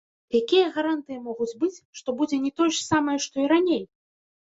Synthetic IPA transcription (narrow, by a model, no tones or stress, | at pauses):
jakʲijɐɣaɾant̪ɨjimɔɣud͡zʲbɨt͡sʲʂt̪ɔbud͡zʲɛnʲɛt̪ɔjʐsamɐjɛʂt̪ɔiɾanʲej